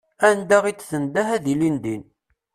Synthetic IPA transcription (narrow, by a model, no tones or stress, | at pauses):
ænd̪æʁit͡sːθənd̪æɦæðilind̪in